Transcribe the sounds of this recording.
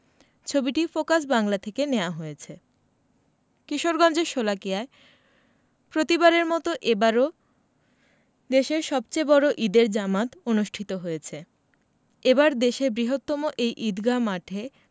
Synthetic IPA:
t͡ɕʰobiʈifokasbaŋlat̪ʰekeneoaɦoet͡ɕʰe | kɾiʃoɾɡɔnd͡ʑeɾʃolakijae | pɾot̪ibaɾeɾmɔt̪oʔebaɾo | d̪eʃeɾʃɔbt͡ɕebɔɾoʔid̪eɾd͡ʑamat̪onuʃʈʰit̪oɦojet͡ɕʰe | ebaɾd̪eʃebɾiɦot̪ːɔmoʔejʔid̪ɡamaʈʰe

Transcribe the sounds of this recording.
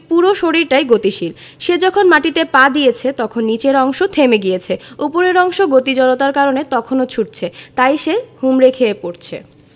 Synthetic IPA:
puɾoʃoɽiɾʈajɡot̪iʃil | ʃed͡ʑɔkʰonmaʈit̪epad̪ijet͡ɕʰet̪ɔkʰonːit͡ɕeɾɔŋʃot̪ʰemeɡijet͡ɕʰeupoɾeɾɔŋʃoɡot̪id͡ʑɔlot̪aɾkaɾonet̪ɔkʰonot͡ɕʰuʈ̚t͡ɕʰet̪ajʃehumɾekʰeepoɾt͡ɕʰḛ

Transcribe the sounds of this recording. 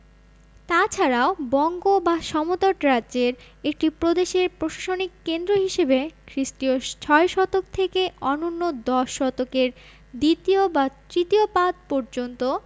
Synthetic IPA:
t̪at͡ɕʰaɾaobɔŋɡobaʃɔmot̪oʈɾadd͡ʑeɾ | ek̚ʈipɾod̪eʃeɾpɾoʃḁʃonikːend̪ɾoɦiʃebekʰɾisʈiot͡ɕʰɔeʃɔt̪okt̪ʰekeɔnonːod̪ɔʃːɔt̪okeɾ | d̪it̪iobat̪ɾit̪iopad̪̚pɔɾd͡ʑont̪o

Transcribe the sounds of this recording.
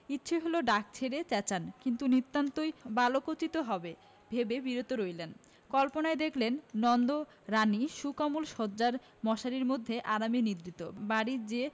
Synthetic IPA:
itːɕʰeɦoloɖak̚t͡ɕʰeɾet͡ɕɛt͡ɕankint̪unit̪ːant̪ojbalokot͡ɕit̪oɦɔbe | bʱebebiɾot̪oɾojlen | kɔlponaed̪ekʰlenːɔnd̪o | ɾaniʃukamulʃɔd͡ʑaɾ | mɔʃaɾiɾmod̪ʱːeʔaɾaminid̪ɾit̪ːobaɽiɾd͡ʑe

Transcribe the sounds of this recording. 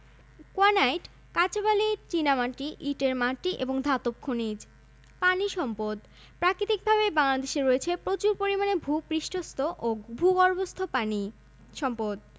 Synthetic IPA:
koanajʈ | kat͡ɕabaliɾt͡ɕinamaʈiʔiʈeɾmaʈiʔeboŋd̪ʱat̪op̚kʰonid͡ʑ | paniʃɔmpod̪ | pɾakɾit̪ik̚bʱaβebaŋlad̪eʃeɾoet͡ɕʰepɾot͡ɕuɾpoɾimanebʱupɾiʃʈʰost̪ʰoʔobʱuɡɔɾbost̪ʰopani | ʃɔmpod̪̚

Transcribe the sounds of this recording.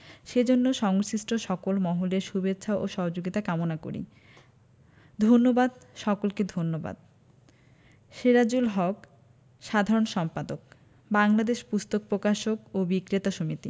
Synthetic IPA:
ʃed͡ʑonːoʃɔŋʃiʃʈoʃɔkolmɔɦoleɾʃubetːɕʰaʔoʃɔɦod͡ʑoɡit̪akamonako̰ɾḭ | d̪ʱonːobad̪ʃɔkolked̪ʱonːoba̰d̪̚ | ʃeɾad͡ʑulɦɔk | ʃad̪ʱaɾonʃɔmpad̪ok̚ | baŋlad̪eʃpust̪ok̚pɾokaʃokobikɾet̪aʃomit̪ḭ

